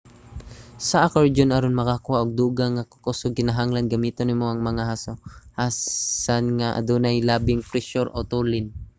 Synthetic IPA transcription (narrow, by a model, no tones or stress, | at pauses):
sɐʔɐkoɹd͡ʒonɐɾonmɐkakʊwaʔoɡ̚d̪uːɡaŋakokosoɡ̚kɪnaɦaŋlanɡɐmiːt̪onɪmoɐŋmɐŋahasohasanŋaʔɐ̰d̪onajlaːbɪŋfɾɛʃoɾʔot̪ulɪn